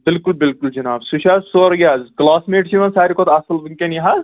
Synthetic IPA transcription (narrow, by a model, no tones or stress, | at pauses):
bɪlkulbɪlkuld͡ʒɐnaːbsuʃazsoɾɡʲazklaːsmeːʈsimɐnsaːɾʲikɔt̪ɐsɐlbɨŋkʲeniɦaz